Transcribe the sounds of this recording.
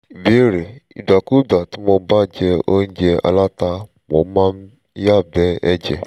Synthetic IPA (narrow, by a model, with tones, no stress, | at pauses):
be˦ɾe˨ḭ˨da˨ku˦da˨tu˦mɔ˨ba˦˨d͡ʒe˦o˦n̩˦d͡ʒe˦a̰˦la˦ta˦ | mɔ̰˨˦ma˦m̩˦ | ja˦˨bɛ˦e˦d͡ʒḛ˨